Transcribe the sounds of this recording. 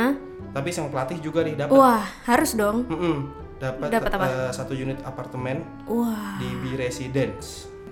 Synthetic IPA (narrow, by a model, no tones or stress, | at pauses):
t̪apisaŋat̪lat̪ɪhd͡ʒuɡadɪhdapuahhaɾʊsdɔŋm̩ʔm̩ | dapat̪daat̪ːapasat̪ujunɪt̪apart̪əmɛn | uadiviɾesidɛns